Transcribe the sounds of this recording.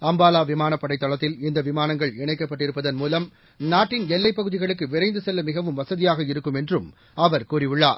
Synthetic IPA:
ɐmbaːlaːʋɪmaːnɐpːɐɽɐɪt̪ːɐɭɐt̪ːɪlɪnd̪ɐʋɪmaːnɐŋɡɐɭɪɳɐɪkːɐpːɐʈːɪɾɯpːɐðɐnmuːlɐm | naːʈːɪnɛlːɐɪpːɐɣɯðɪɣɐɭɯkːɯʋɪɾɐɪnd̪ɯsɛlːɐmɪɣɐʋɯmʋɐsɐðɪjaːɣɐɪɾɯkːɯmɛndrɯm | ɐʋɐɾkuːɾɪʋɯɭːaːɾ

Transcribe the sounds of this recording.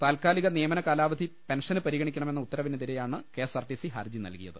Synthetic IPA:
t̪aːlkaːliɣɐnijɐmɐnɐkaːlaːʋɐd̪ʱipe̞nʂɐnɨpɐɾiɣɐɳikʲːɐɳɐme̞nːɐut̪ːɐɾɐʋineðiɾejaːɳɨke̞ːsɐrʈisiɦɐ̰rd͡ʑinɐ̰lkijɐðɨ

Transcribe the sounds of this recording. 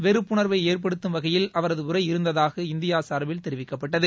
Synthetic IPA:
ʋɛɾɯpːʊɳɐɾʋɐɪeːrp̬ɐɽɯt̪ːɯmʋɐɣɐjɪlɐʋɐɾɐðɯʊɾɐɪɪɾɯnd̪ɐðaːɣɐɪnd̪ɪjaːsɐːɾɐbɪlt̪ɛɾɪʋɪkːɐpːɐʈːɐðɯ

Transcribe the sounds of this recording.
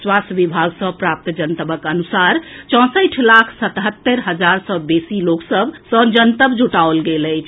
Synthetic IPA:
swasʋibʱaɡsə̃pɾap̚t̪d͡ʒənt̪əbəkənusaɾt͡ʃɔ̃səʈʰlakʰsət̪ɦət̪ːəɾɦəd͡ʒaɾsɔbesiloksəbsə̃d͡ʒənt̪əbd͡ʒuʈaolɡelət͡ʃʰ

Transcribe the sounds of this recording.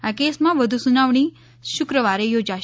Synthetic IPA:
akesmãʋəd̪ʱusunaʋɳ̃i | ʃukɾəʋaɾejod͡ʒa

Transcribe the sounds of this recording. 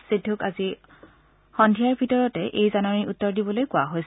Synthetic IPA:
sɹidʱːukazi | xɔndʱijaɹbʱitɔɹɔtɛʔejzanaɹiutːɔɹdibɔlojkʊa̰ɦojs

